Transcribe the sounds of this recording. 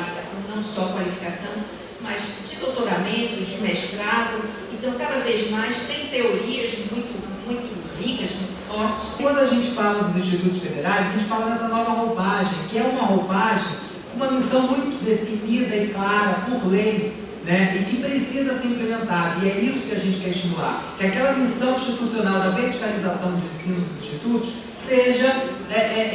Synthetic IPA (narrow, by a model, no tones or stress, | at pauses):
lifikasɐ̃w̃nɐ̃w̃sɔkwalifi̥kasɐ̃w̃ | mɐz | d͡ʒɪd̪ot̪oɾamẽnt̪ʊzd͡ʒɪmeʃt̪ɾad̪ʊ | ẽnt̪ɐ̃w̃kad̪ɐvezmajst̪ẽj̃t̪eoɾiɐzmũj̃t̪ʊ | mũj̃t̪ʊ | lĩɡɐzmũj̃t̪ʊ̥fɔɾt͡ʃɪ̥ʃkwɐ̃nd̪ʊaʒẽnt͡ʃɪ̥falɐd̪ʊzĩʃt͡ʃit̪ut̪ʊʃfed̪eɾajzɐʒẽnt͡ʃɪ̥falɐd̪ɛsɐnɔvɐɦopaʒẽj̃kɪɛũmɐɦopaʒẽj̃ | kõũmɐmisɐ̃w̃mũj̃t̪ʊd̪efinid̪ɐɪklaɾɐpoɾlej | nɛɪkɪpɾɪsizɐseɾĩplemẽnt̪aɾɪɛisʊ̥kɪaʒẽnt͡ʃɪkɛɾɪiʃt͡ʃimula̰ɾkɪakɛlɐmisɐ̃w̃ĩʃt͡ʃit̪usionawd̪ɐveɾd͡ʒikalizasɐ̃w̃d͡ʒɪẽsĩnʊd̪ʊzĩʃt͡ʃit̪ut̪ʊʃ | seʒɐɛʔɛ